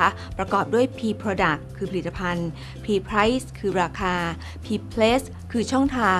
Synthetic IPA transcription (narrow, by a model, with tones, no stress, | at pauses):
a˦˥ | pɾa˧kɔː˨˩p̚du˥˩əjpʰiː˧pʰɾoː˧da˨˩kʰːɯː˧pʰli˩t̪ːa˧pʰa˧n | pʰiː˧pʰɾa˦˥jskʰɯː˧ɾaː˧kʰaː˧ | pʰiː˧pʰleː˦˥s | kʰɯː˧t͡ɕʰɔ˥˩ŋt̪ʰaː˧